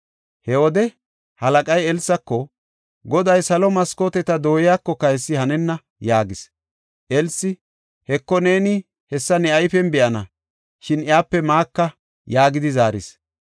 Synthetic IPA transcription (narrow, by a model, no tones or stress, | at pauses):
hɛwɔd̪ɛ | hɐlɐkʼɐjɛlsːɐkːɔ | ɡɔd̪ɐjsɐlɔmɐskoːt̪ɛt̪ɐd̪o̞ːjɪjaːkːɔkɐjsːɪhɐnɛnːɐ | jaːɡɪs | ʔɛlsːɪ | hɛkːɔne̞ːnɪ | hɛsːɐnɛɐjfɛnbɛʔɐnɐ̰ | ʃɪnɪjaːpːɛmaːkːɐ | jaːɡɪd̪ɪzaːɾɪs